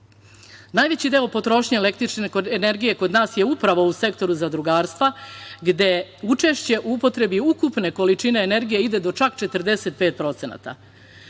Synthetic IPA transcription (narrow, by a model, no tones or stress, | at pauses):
naːjʋe̞t͡ɕid̪e̞opo̞t̪ɾo̞ʃɲeele̞kt̪ɾit͡ʃnekoeneɾɡije̞ko̞d̪naːsje̞upɾaʋo̞use̞k̚t̪o̞ɾuzad̪ɾuɡaːɾst̪ʋaɡd̪e̞ut͡ʃe̞ʃt͡ɕe̞ʔuupot̪ɾe̞biukupne̞ko̞lit͡ʃine̞ːne̞ɾɡije̞id̪e̞d̪o̞t͡ʃakt͡ʃe̞t̪əɾd̪e̞set̪̚peːt̪̚pɾo̞t̪se̞na̰t̪a̰